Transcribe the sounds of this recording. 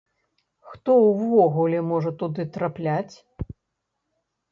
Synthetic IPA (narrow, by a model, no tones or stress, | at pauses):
xt̪ɔwvɔɣulʲɛmɔʐɐt̪ud̪ɨt̪ɾaplʲat͡sʲ